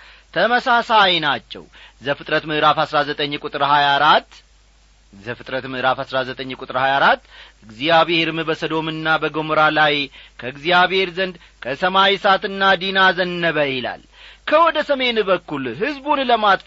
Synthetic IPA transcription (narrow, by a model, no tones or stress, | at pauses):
t̪ʰəməsasajnat͡ʃːɛ̰wzəfɨt̪ʼɾət̪mɨʔɾafhasɾazət̪ʼəɲːkʷʼut̪ʼɨɾhajaɾat̪ː | zəfɨt̪ʼɾət̪mɨʔɾafhasɾazət̪ʼəɲːkʼut̪ʼɾhajaɾat̪ːɨɡzijaβeheɾmɨbəsəd̪o̞mɨnːabəɡo̞məɾalajkʰəɨɡzijaβhe̞ɾzənd̪ | kʰəsəmawisat̪ɨnːad̪inazənːəβəila̰l | kʰəwɔd̪əsəme̞nbəkːulɦɨzbunləmat̪ʼ